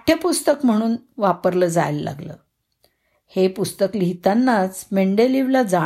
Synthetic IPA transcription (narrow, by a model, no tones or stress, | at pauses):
ʈʰjəpust̪əkm̤əɽ̃uːnʋapəɾləːd͡za̰jlla̰ɡlə̰ː | hepust̪əkliɦit̪anːat͡smeɳɖeliʋlad͡za